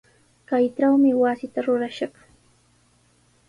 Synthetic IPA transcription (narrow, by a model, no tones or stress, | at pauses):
kajʈ͡ʂawmɪwasɪt̪aɾʊɾaʃɑχ